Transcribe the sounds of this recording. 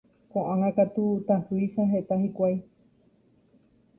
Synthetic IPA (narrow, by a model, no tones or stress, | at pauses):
kʷãʔãŋãkat̪ut̪ahuiʃaɦet̪ahikʷaj